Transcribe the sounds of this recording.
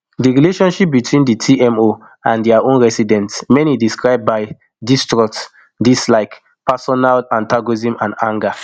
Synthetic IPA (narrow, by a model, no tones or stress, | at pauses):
diɹileʃɔ̃nʃip̚bitʰwĩnditʰiɛ̃mo | ãndɛaõnɹɛsidɛ̃ntsmɛ̃nidiskɹaɪb̚baɪ | distɹɔk̚t | dislaɪk | pasɔnalãntaɡɔzĩmãnãŋɡa